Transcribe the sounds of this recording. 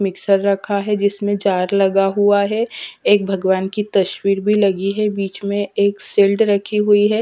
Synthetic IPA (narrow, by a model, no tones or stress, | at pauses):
mɪksəɾːɐkʰaɦɛd͡ʒɪsmẽd͡ʒaːɾlɐɡaɦuaɦɛeːk̚bʱɐɡʋaːnkit̪ɐʃwiːɾbʱilɐɡiɦɛbiːt͡ʃmẽeːkseːlɖɾɐkʰiɦuiɦɛː